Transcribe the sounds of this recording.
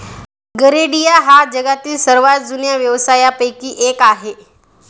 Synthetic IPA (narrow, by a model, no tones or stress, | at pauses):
ɡəɾeɽijaɦad͡ʑəɡat̪iːlsəɾʋad͡zunjaʋjəʋsajapəjkiːʔekaɦe